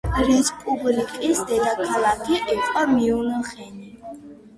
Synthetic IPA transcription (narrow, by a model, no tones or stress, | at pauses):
ɾispʼublikʼisd̪ɛd̪akʰalakʰiʔɛqʼamiunəχɛni